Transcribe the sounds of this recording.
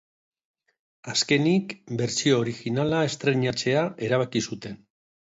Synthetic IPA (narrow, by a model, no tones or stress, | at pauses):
aske̞nikbe̞ɾsio̞ːɾixinalae̞st̪ɾe̞ɲat͡se̞aʔe̞ɾaβ̞akisut̪e̞n